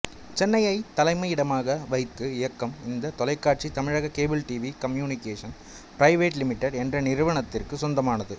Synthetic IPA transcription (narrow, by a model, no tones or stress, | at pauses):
t͡ʃɛnːɐjɐɪt̪ːɐlɐɪmɐɪɪɽɐmaːɣɐʋɐɪt̪ːɯɪjɐkːɐmɪnd̪ɐt̪ɔlɐɪkːaːʈ̚t͡ʃit̪ɐmɪɻaɣɐkeːbɪlʈiːʋikɐmjuːnɪkeːʂɐn | pɾɐɪʋeːʈlɪmɪʈːɐɾɛndrɐnɪɾɯʋɐɳɐt̪ːɪrkɯsɔnd̪ɐmaːnɐðɯ